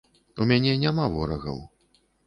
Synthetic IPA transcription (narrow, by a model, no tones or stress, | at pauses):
umʲanʲɛnʲamavɔɾɐɣɐ̰w